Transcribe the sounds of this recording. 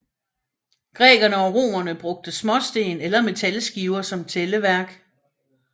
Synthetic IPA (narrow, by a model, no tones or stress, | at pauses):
ɡ̥ʁɛ̰ːɡ̥ɐnəɒ̽ʁo̝̰ːmɐnəb̥ʁɔ̽ɡ̥̚d̥əsmɒ̽sd̥e̝̰ːnelɐme̝t͡sʰælsɡ̥iːʊɐsɒ̽mt͡sʰeləʋæɐɡ̥